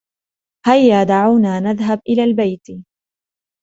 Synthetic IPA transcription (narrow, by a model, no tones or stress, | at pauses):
hajːaːd̪aʕawnaːnaðɦabʔɪlaːlbajt̪